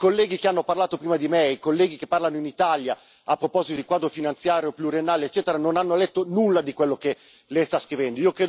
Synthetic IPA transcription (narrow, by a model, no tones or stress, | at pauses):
kolːɛːɡikeanːoparlaːt̪opɾiːmad̪imeikolːɛːɡikepːarlanoinit̪alja | apːɾopɔzit̪od̪ikwaːd̪ɾofinant̪sjaːɾjopluɾjenːaːleet͡ʃːɛːt̪eɾanonanːolɛt̪ːonulːad̪ikwelːoke | lɛjst̪askɾivɛnd̪oiːokɾeːd̪